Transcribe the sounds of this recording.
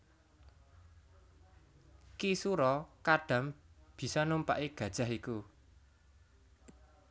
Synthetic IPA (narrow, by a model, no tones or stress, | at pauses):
kisuɾɔkaɖ̥ä̤mb̥i̤sɔnumpa̰ʔiɡ̥ä̤d̥ʒ̥äɦiku